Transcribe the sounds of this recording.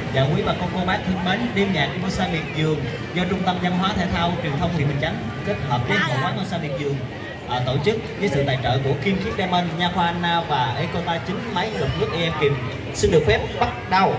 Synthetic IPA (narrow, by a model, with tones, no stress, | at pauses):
za̰ː˨˩ki˨˦maː˨˩kɔ˧ko˧ɓaː˦˥k̚t̪ʰɨ˧əŋme˨˦nɗi˧mɲaː˨˩k̚mo˧saː˧mḭ˨˩ən̚zɨ˨˩əŋ | zɔ˧t͡ɕʊ˧ŋ͡mt̪ə˧mɲa˧mɦwaː˨˦t̪ʰɛ˧˩jt̪ʰa˧wt͡ɕwi˨˩nt̪ʰə˧wŋ͡mt̪ʰḭ˧˨˩ɓï̟˨˩t͡ɕa˨˦jŋ˨ke˦˥t̚həː˨˩p̚ki˧˦na̰˨˧˩hwaː˨˦mɔ˧saː˧mḭ˧˨˩nzɨ˨˩əŋ | ʔːt̪o˧˩t͡ɕɨ˦˥k̚ɲɨ̰˧˦sɨ̰˧˨t̪a̰ː˧˨jt͡ɕə̰ː˧˨ku˧˩əxi˧mxi˦˥p̚ɗɛ˧mə˧nɲaː˧xwaː˧naː˧vaː˨˩ʔe˧˦ko˧t̪aː˧t͡ɕï˨˦ŋ̟ma˨˦jlə˨˩k͡p̚nɨ˦˥ək̚ʔi˧ɛ˧mki˨˩m | sɨi˧nɗɨ˨˩ək̚fɛ˦˥p̚ɓa˦˥t̚ɗa˧w